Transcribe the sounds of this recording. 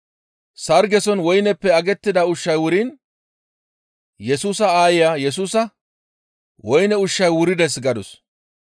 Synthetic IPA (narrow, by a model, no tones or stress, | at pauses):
sɐɾɡɛsɔnwɔjnɛpːɛɐɡɛt̪ːɪd̪ɐʊʃːɐjwʊɾin | jɛsuːsɐaːjɪjaːjɛs̬uːsɐ | wɔjnɛʊʃːɐjwʊɾɪd̪ɛs̬ɡɐd̪ɔs